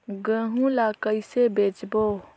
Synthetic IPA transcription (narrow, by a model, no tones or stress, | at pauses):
ɡə̃ːɦũlakəɪsebeːt͡ʃbo